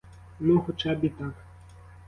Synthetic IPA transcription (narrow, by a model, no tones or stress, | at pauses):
nuxʊt͡ʃabʲit̪ak